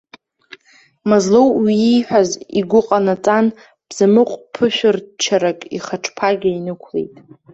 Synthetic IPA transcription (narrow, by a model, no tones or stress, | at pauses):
mazlowwiijħʷᶣaziɡʷʊqʼanat͡sʼan | b̥z̥amɨqʷʼpʰɨʃᶣʊrt͡ʃʰaɾakʼiχaʈ͡ʂʰpʰaɡʲainɨkʷʰlḛjtʼ